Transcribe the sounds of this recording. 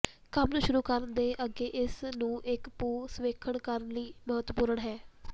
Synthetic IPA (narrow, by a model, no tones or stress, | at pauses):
kəmnũːʃʊɾuːkəɾnd̪eːʔəɡeːʔɪsnũːʔɪkpuːsʋeːkʰəɳkəɾənliːməɦət̪puːɾəɳɦɛː